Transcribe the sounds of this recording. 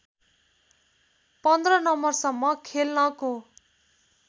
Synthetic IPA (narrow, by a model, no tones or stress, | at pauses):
pʌnd̪ʱrʌnʌmːʌrsʌmːʌkʰelnʌko